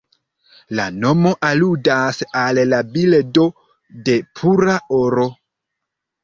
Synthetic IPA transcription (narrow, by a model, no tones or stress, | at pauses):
lano̞mo̞ʔaludasallabildo̞ | de̞pʰuɾaoɾo̞